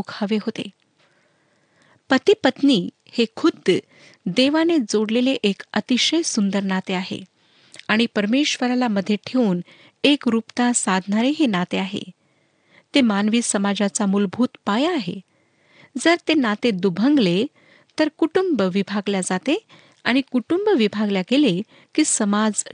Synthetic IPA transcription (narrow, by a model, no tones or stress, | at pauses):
okʰaʋeɦot̪ḛ | pət̪ipət̪niː | hekʰud̪ʱ | d̪eʋaned͡zoɽleleʔekət̪iɕəjsund̪əɾnat̪eaɦḛ | aɽ̃ipəɾmeɕʋəɾalaməd̪ʱjeʈʰeuːn | ekɾupt̪ãsad̪ʱnaɾeɦenat̪eaɦḛ | t̪emanʋiːsəmad͡zat͡samuːlbʱuːt̪pajaːɦḛ | d͡zəɾt̪enat̪ed̪ubʱəŋɡle | t̪əɾkuʈumbʋibʱaɡljad͡zat̪e | aɽ̃ikuʈumbʋibʱaɡljaɡele | kiːsəmad͡z